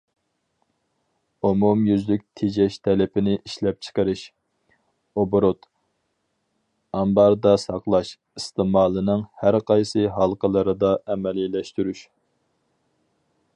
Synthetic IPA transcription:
umumjyzlyk̚ʲt̪ʰed͡ʒɛʃt̪ʰɛlɪpɪnɪʔiʃlɛp̚t͡ʃʰə̥qəɾɨʃ | obɾot̪ | ɑmbɑɾd̪ɑsɑqlˠɑʃ | ist̪ɨmɑːlˠɨnɨŋhæɾqʰɑjsɨɦɑlˠqʰəlˠɨɾɨd̪ɑɛmɛlilɛʃt̪yɾyʃ

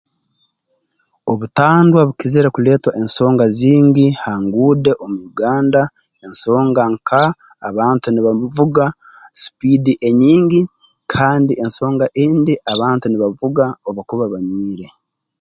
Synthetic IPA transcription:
o̞βutaːndwaβukizeɾekule̞ːtwaʔenso̞ːŋɡaziːɲɡihaːŋɡuːde̞ʔomujuɡaːnda | enso̞ːŋɡaŋkʰaː | βaːntuniβavuɡa | su̥pidiʔe̞ɲiːɲɡi | kʰaːndiʔe̞nso̞ːŋɡaʔiːndiʔaβaːntuniβavuɡaoβakuβaβaɲwiːɾe̞

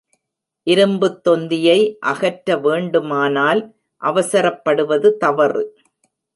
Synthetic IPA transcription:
ʔɪɾɯmbɯt̪ːɔnd̪ɪjɐɪʔɐɣɐʈɾɐʋeːɳɖɯmaːnaːl | ʔɐʋɐsɐɾɐpːɐɽɯʋɐðɯt̪ɐʋɐrɯ

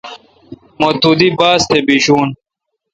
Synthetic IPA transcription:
mot̪ud̪ibaːst̪ebiɕuːn

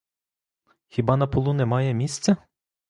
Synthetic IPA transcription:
xʲibɑnɐpɔlˠunɛmɑjɛmʲisʲt̪t͡sʲɐ

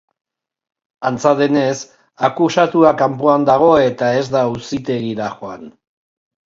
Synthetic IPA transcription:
ant͡saðe̞ne̞s | akusat̪uɾakampoand̪aɣ̞o̞e̞t̪ae̞zd̪ausit̪e̞ɣiɾaxo̞an

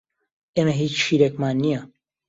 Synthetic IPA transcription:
emɐɦiːt͡ʃʃiːɾekmaːnːijɐ

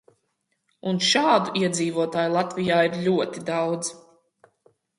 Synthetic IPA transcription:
unʃaːd̪uʔiɛd̪ziːvuɔt̪aːjulˠat̪vijaːiɾlʲuɔt̪id̪awd̪z̥

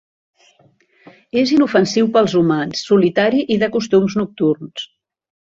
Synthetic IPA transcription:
ezinufənsiwpəlˠzumansːulit̪aɾiʔiðəkust̪umznuk̚t̪urns

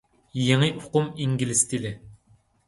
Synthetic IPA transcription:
jeŋiʔʊqʊmiŋɡʲilɪst̪ʰilɪ

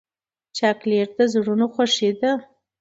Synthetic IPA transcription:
t͡ʃɑkleɾd̪azɽunoxaʂed̪a

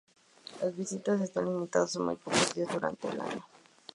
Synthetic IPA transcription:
lazβisit̪as̬est̪anlimit̪aðosanmṵjpokozðiazðuɾa̰nt̪eːla̰ɲo

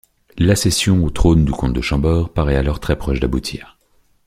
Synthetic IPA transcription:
lasɛsjɔ̃ot̪χond̪ykɔ̃t̪̚d̪əʃɑ̃bɔʁpaʁɛalɔʁt̪χɛpχɔʃd̪abut̪ʰiːʁ

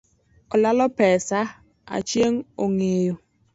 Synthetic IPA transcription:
ɔlalɔpɛːsa | a̰t͡ʃieŋ̩oŋejo

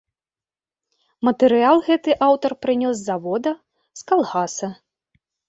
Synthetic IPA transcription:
mɐt̪ɨɾɨalˠɣɛt̪ɨʔawt̪ɐrpɾɨnʲɔszavɔd̪ɐ | skalˠɣasɐ

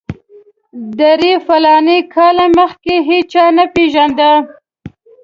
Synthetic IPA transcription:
d̪aɾefalɑnekʰɑlaməxkeɦet͡ʃɑnapeʒand̪a

